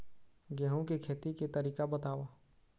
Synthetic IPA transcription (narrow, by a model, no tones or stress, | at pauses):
ɡɛːɦõkekʰeːt̪iket̪ɐɾiːkabət̪aːʋaː